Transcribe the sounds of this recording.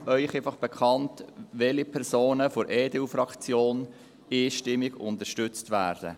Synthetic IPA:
œʏχefɑχb̥ɛkʰχɑntʋɛlipʰɛɾsoːnəfɔɾʔɛːdeufɾɑkt͡sjoːn | eːʃtɪmːɪɡʊ̰nt̪əɾʃtʏt͡stʋæːɾd̥ə̰

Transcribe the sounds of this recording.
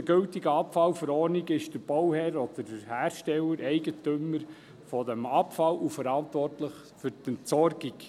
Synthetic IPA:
ɡ̥ɵltiɡəɑpfɑlfəɾɔːniɡɪʃd̥əɾb̥ɔwhɛɾɔdədəhæːɾʃtɛlːəɾɛɪɡətøməɾ | fɔdɛmɑpfɑlʔufəɾɑntʋɔrtləχ | fʏɾtəntsɔɾɡik

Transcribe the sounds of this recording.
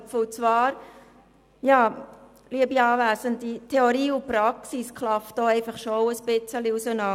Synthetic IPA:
fʊt͡svɑːɾ | jɑː | liəbiɑːʋæːsəntitʰeoɾiːʊpɾɑksiskʰlɑftdoɛɪfɑχʃoʊəsb̥ɪt͡səliusənɑ

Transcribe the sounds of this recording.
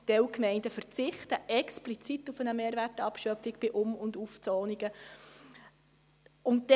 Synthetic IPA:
d̥ɛwkmɛɪndəfərt͡sɪχtəʔɛksplit͡sit̪ːufənəmeːɾværtɑpʃœpfiɡ̥b̥ɪʔʊmʊnduft͡soːniɡə | ʊntd̥ɛ

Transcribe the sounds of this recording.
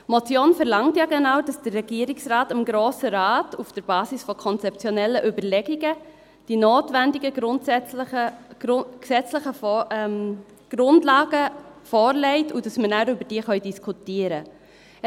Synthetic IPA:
mɔt͡sjoːnfɛɾlɑŋtjɑːɡɛnawd̥ɑsd̥ərːɛɡiəɾɪksrɑːtɪmɡɾoːsəɾɑːtufd̥əɾbɑːsisfɔkʰɔnt͡sɛp̚t͡sjonɛlːəʔybəɾlɛɡiɡə | d̥inoːtvɛndɪɡə | ksɛt͡sləχə | ɡ̥ɾʊndlɑːɡ̥əfɔːɾlɛɪtud̥ɑsmənæɾʏbəɾd̥iːχœʏdiskʰutiəɾə

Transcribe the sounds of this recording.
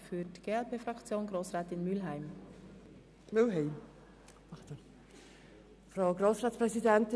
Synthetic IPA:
fyːdɡ̥eːɛlpeːfrɑkt͡sjoːnɡʁoːsʁaːtɪnmʏlɦæɪm | mʏlɦɛɪm | t | fɾaʊɡɾoːsʁaːtt͡spʁɛzidɛntɪ

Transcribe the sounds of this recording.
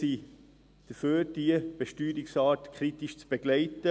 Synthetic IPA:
si | d̥əføːɾd̥iəb̥eʃtyːɾiksɑːtkʰɾitiʃt͡sb̥eɡ̥lɛɪtə

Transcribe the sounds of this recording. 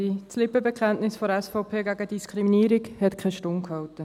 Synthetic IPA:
it͡slɪpəbɛkχɛntnɪsfɔɾɛsfɔʊpʰeːɡæɡəd̥iskʰɾiminiːɾikhɛt̪kʰɛʃtoŋkhɑʊtə

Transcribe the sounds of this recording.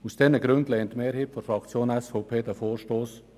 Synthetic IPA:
usd̥ɛnəɡɾʉndlɛːntmeːɾɦhiːtfɔɾfɾɑkt͡sjoːnɛsfoʊpʰeːdəfoːɾʃtoːs

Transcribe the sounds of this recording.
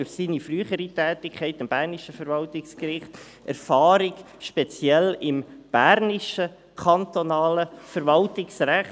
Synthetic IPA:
ʊɾsiːnifryːχəɾitɛːtɪkʰχɛɪtɪmb̥æɾnɪʃəfəɾvɑltɪkskɾɪχt | æɾfɑːɾɪɡ | ʃpɛt͡sjɛlɪmb̥æɾnɪʃə | kʰɑntonɑːləfəɾvɑltɪksræχ

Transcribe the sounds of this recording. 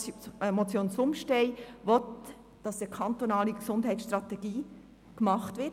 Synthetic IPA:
mɔt͡sjoːnt͡sʊmʃtɛɪʋɔt | d̥ɑsəkʰɑnt̪onɑːliksʊndɦɛɪtsʃt̪ɾɑt̪ɛɡiː | kmɑχtʋɪ

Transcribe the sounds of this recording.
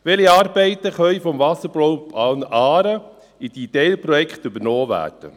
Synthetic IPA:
ʋɛliɑːɾbɛɪt̪əχœʏfɔmvɑsəɾblɔwɑnɑːɾə | id̥̪id̪eːlpɾɔjɛkχt̪ʏbəɾnɔːʋæ̰ːd̥ə̰

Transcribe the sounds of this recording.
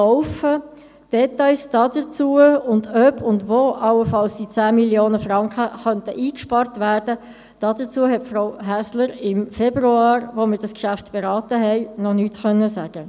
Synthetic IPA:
ɔʊfə | d̥ɛtaɪsd̥ɑdət͡suːəʊndœbʰʊndʋoːʔɑlːəfɑlsd̥it͡sæːmiljoːnəfɾɑŋkχəχœntəʔiːkʃpɑɾtʋæːɾdə | d̥ɑdət͡suəɦɛtfraʊɦæsləɾɪmfɛb̥ruɑːɾʋoməɾd̥ɑskʃæftb̥eɾɑːtəɦɛɪnɔnyːtχœnːəsæɡ̥ə

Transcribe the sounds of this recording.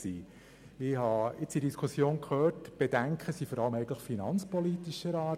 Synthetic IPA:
siː | ɪhɑɪt͡sid̥iskʰusjoːnkʰχøːtb̥ed̥æŋkχəsifɔɾɑləmɛɪɡəntləfinɑnt͡spɔlit̪iʃəɾɑː

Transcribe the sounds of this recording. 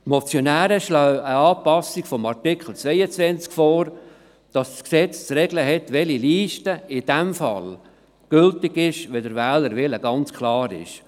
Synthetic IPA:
mɔt͡sjɔnæːɾəʃlœwəɑːpɑsiɡ̥fɔmɑɾtɪkχl̩ˠt͡svɛjət͡sʋɛnt͡skfɔːɾ | d̥ɑssksɛt͡st͡sɾɛɡləɦɛtʋɛliliːʃtəɪd̥ɛmfɑ̰l | ɡ̥ʏltɪɡɪʃʋɛdəɾvæːləɾvɪləɡ̥ɑnt͡skʰlɑːɾɪ̰ʃ

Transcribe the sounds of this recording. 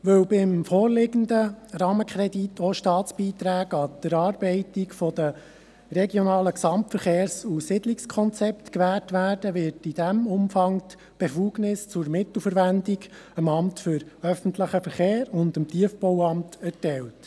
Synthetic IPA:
ʋɵwbɪmfɔːrlɪɡənd̪əɾɑːməkʰɾɛdit̪ʰɔʃtɑːt͡sb̥iːt̪ɾæːɡɑd̪̥əɾɑːɾbɛɪtikfɔd̪ə | ɾɛɡjɔnɑːləksɑmtfəɾχeːɾsusɪdlikskʰɔnt͡sɛpt̪kʋæːtʋæːɾd̥əʋɪɾtid̥æmʊmfɑŋ | b̥efuːɡnɪst͡sʊɾmɪt̪l̩fəɾʋændiɡ | əmɑmtfʏɾœfən̩t̪ləχəfəɾχeːɾʊndəmt̪iəfbɔwɑmtæɾtɛlt

